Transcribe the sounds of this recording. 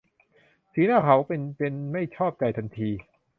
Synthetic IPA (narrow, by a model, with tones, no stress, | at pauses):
siː˨˩˦naː˥˩kʰa˩˦wpe˧npe˧nma˥˩jt͡ɕʰɔː˥˩p̚t͡ɕa˧˩jt̪ʰa˧nt̪ʰiː˧